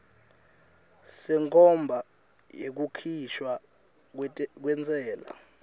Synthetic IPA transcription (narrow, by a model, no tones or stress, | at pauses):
sɛŋkʰɔmbʱa | jek̬ukʰiʃwa | k̬wɛnt͡sʼɛːla̰